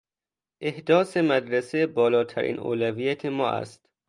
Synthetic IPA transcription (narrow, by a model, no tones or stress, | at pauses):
ʔe̞hd̪ɒːsemæd̪ɾæsebɒːlɒːt̪ʰæɾʔḭːnʔo̰ːlæviːjæt̪ʰemɒːʔæ̰st̪